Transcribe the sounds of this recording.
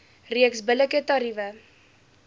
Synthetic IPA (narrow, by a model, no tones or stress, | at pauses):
riəksbələkətɑɾivə